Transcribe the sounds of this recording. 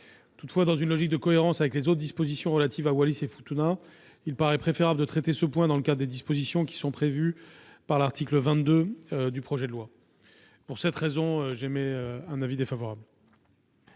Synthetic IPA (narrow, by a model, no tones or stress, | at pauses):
t̪ut̪fwad̪ɑ̃zynlɔʒik̚d̪əkɔeʁɑ̃savɛklezot̪χd̪ispozisjɔ̃ʁəlat̪ivawalisefut̪una | ilpaʁɛpχefeʁabləd̪ət̪χɛt̪esəpwɛ̃d̪ɑ̃ləkad̪ʁd̪ed̪ispozisjɔ̃kʲi̥sɔ̃pχevypaʁlaʁt̪ʰikləvɛ̃t̪̚d̪ød̪ypχɔʒɛd̪əlwa | puʁsɛt̪χezɔ̃øʒemɛøɛ̃navid̪efavɔʁabl